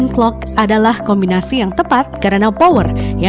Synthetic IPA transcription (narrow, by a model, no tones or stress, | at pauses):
nklɔkʔadalahkɔmbinasijaŋt̪əpat̪̚kaɾənapowərja